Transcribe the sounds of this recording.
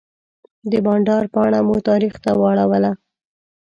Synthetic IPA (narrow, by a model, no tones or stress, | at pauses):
d̪əbɑɳɖɑɾpɑɽ̃amut̪ɑɾixt̪awɑɽawəla